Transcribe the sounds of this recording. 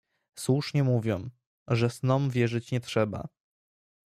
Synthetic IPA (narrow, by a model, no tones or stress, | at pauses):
swuʂɲɛmuvʲjɔ̃w | ʐɛsnɔmvʲjɛʐɘt͡ɕɲɛtʂɛba̰